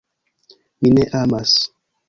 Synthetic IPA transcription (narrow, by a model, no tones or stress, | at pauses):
mineʔamas